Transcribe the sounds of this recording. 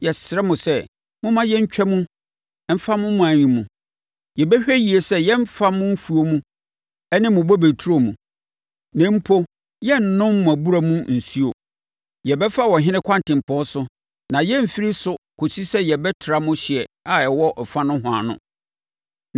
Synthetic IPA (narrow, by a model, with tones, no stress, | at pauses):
jɛ˨sɪ˨ɾɛ˦mʊ̃˨sɛ˦ | mʊ̃˦mã˦jɛ˦ɲ̩˦t͡ɕᶣɛ˦mũ˦ | m̩˦fa˦mʊ̃˦mʊ̃˦æ˨ɲĩ˨mũ˨ | jɛ˨bɛ˦ɕᶣɛ˦ji˨e˨sɛ˦jɛ˦m̩˦fa˦mʊ̃˦m̩˦fu˨o˦mũ˦ | ɛ˦nɪ̃˦mʊ̃˨bɔ˦be˨tʰu˦ɾo˦mũ˨ | nɛ̃˨˦m̩˦pʰo˦ | jɛ˦n̩˨nʊ̃˦mmʊ̃˨æ˨bu˦ɾa˨mũ˦n̩˨si˦o˨ | jɛ˨bɛ˦fa˦˨wɔ̃˨ɦɪ̃˦nɪ̃˦kʰã˦ntɪ̃˨m̩˨pʰɔ̃˦sʊ˦ | nã˨jɛ˦m̩˨fi˦ɾi˦sʊ˦kʰo˨si˦sɛ˦jɛ˨bɛ˦tʰɪ˨ɾa˦mʊ̃˦ɕɪ˨ɛ˨a˨jɛ˨wɔ˦ʔɔ˨fã˦nʊ̃˦ɦʊ̃˨a̰˨nʊ̰̃˦